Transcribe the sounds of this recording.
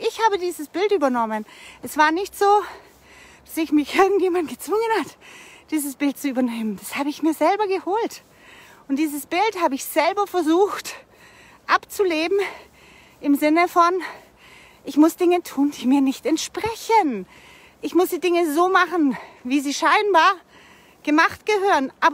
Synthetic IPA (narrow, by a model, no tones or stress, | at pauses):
ʔɪçhaːbədiːzəsb̥ɪltʔyːbɐnɔmənʔɛsv̥aːɐnɪçtz̥oː | d̥asɪçmɪçʔɪɐɡŋ̩tjeːmanɡ̥ət͡sv̥ʊŋənhatd̥iːzəsb̥ɪlt̚t͡suyːbɐneːmənd̥ashaːbəɪçmiːɐzɛlbɐɡəhoːlt | ʔʊntd̥iːzəsb̥ɪlthaːbəɪçz̥ɛlbɐfɛɐzuːxt | ʔapt͡suleːbm̩ | ʔɪmzɪnəfɔn | ʔɪçmʊsd̥ɪŋətʰuːnd̥iːmiːɐnɪçtɛntʃpʁ̥ɛçən | ʔɪçmʊsd̥iːdɪŋəzoːmaχn̩viːziːʃaɪnbaːɐ | ɡ̥əmaχtɡ̥əɦøːʁənʔaːbɐ